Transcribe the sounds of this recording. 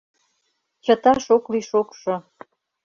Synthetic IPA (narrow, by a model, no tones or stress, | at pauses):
t͡ɕət̪ɑʃokliʃokʃo